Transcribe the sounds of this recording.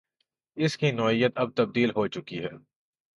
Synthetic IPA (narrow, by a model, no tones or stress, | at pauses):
ɪskinɔːijət̪ɐb̚t̪ɐb̚d̪iːlɦot͡ʃʊkiɦɛː